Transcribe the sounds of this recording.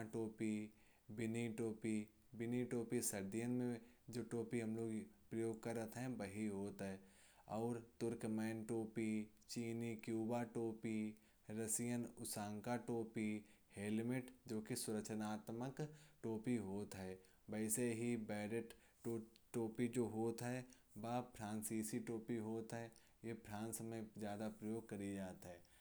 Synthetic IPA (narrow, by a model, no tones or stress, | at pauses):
ʈoːpi | bɪniʈoːpi | bɪniʈoːpisɐɾd̪ijənmẽ | d͡ʒoːʈoːpiɦɐmloːɡpɾɐjoːɡ̚kəɾət̪ɦɛ̃ʋɐɦiɦoːt̪ɦɛː | ɔːɾt̪ʊɾkmɛːnʈoːpi | t͡ʃiːnikjuːbaʈoːpi | ɾəsijənʊsãːŋkaʈoːpi | heːlmɪʈd͡ʒoːkisʊɾəkʃənaːt̪məkʈoːpiɦoːt̪ɦɛː | bɛɪseɦibɛːɾəʈː | ʈoːpid͡ʒoːɦoːt̪ɦɛ | baːpʰɾãːnsiːsiʈoːpiɦoːt̪ɦɛ | jepʰɾãːnsmẽzjaːd̪apɾəjoːɡ̚kɐɾid͡ʒaːt̪ɦɛ̃ː